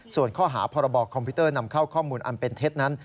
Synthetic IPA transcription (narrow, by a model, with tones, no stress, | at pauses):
su˨˩ənkʰɔː˥˩ɦaː˩˦pʰɔː˧ɾa˧bɔː˨˩kʰːɔ˧mpʰi˦˥t̪ɤː˥˩na˧mkʰa˥˩wkʰɔː˥˩muː˧nʔa̰˧npe˧nt̪ʰe˦˥t̪̚na˦˥n